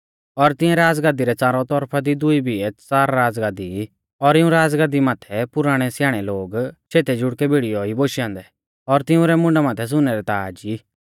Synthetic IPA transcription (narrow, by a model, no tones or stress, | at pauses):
ɔɾt̪ɪ̃ɛ̃ɾaːd͡zɡaːd̪iɾɛt͡saːɾɔt̪ɔɾpʰad̪id̪ʊibʱiɛt͡saːɾːaːd͡zɡaːd̪i | ɔɾɪũɾaːd͡zɡaːd̪imaːt̪ʰɛpʊɾaːɽ̃ɛsjaːɽ̃ɛloːɡt͡ʃʰeːt̪ɛd͡ʒʊɽkɛbʱiɽijɔiboːʃjãːnd̪ɛ | ɔɾt̪ɪũɾɛmʊ̃ɳɖamaːt̪ʰɛs̬ʊnːɛɾɛt̪aːd͡ʒi